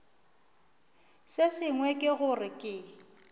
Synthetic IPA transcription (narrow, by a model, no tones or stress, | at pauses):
sɪsɪŋwɛkʼɪɣʊrɪkʼɪ